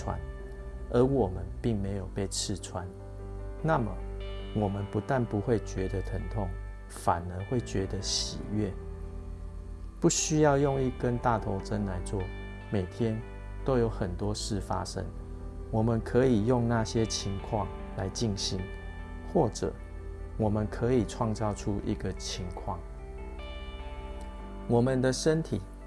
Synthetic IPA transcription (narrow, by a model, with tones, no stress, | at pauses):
wa̰˦n | ə˨˥wɔ˨˩mə˨˦npi˥˩ŋme˧˥ɪjo˨˩ʊpe˥˧ɪt͡sʰɻ̩˥˨t͡sʰwa˦n | na˥˨mə̰˨wɔ˨˩mə˨˦npu˧˦t̪a˥˨npu˧˦xwe˥˨ɪt͡ɕɥɛ˧˦d̪ə˧t̪ʰə˧˥nt̪ʰɔ˥˨ŋ | fa˨˩nə˦xwe˥˩ɪt͡ɕɥɛ˧˦˥d̪ə˧˦ɕḭ˨˩ɥɛ˥˨˩ | pu˥˩ɕy˥jɑ˥˧ʊjɔ˥˧ŋi˥˩kə˦nt̪a˥˨t̪ʰo˧˥ʊt͡sə˦nla˧˦ɪt͡swɔ˥˩ | me˨˩ɪt̪ʰjɛ˦n | t̪o˥ʊjo˧˥ʊxə˨˩nt̪wɔ˦˥ʂɻ̩˥˨fa̰˦ʂə̰˦˥ŋ | wɔ˨˩mə˨nkʰə˨˦i˨˩jʊ˥˧ŋna˥˨ɕjɛ˦t͡ɕʰi˧˦ŋkʰwɑ˥˨ŋ | la˧˦ɪt͡ɕi˥˩ŋɕi˧˦n | xwɔ˥˩ʈ͡ʂə̰˨˩ | wɔ˨˩mə˨nkʰə˨˦i˨˩ʈ͡ʂʰwɑ˥˧ŋt͡sɑ˥˧ʊʈ͡ʂʰu˦ʔḭ˧˦ɡə˨t͡ɕʰi˧˦ŋkʰwɑ˥˨ŋ | wɔ˨˩mə˨nd̪ə˨ʂə˦nt̪ʰi˨˩˦